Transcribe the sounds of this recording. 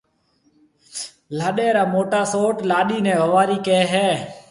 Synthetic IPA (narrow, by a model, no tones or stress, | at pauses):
laːɗeːɾaːmoːʈaːsoːʈlaːɗiːnɛ̃ːʋəʋaːɾiːkeːɦɛː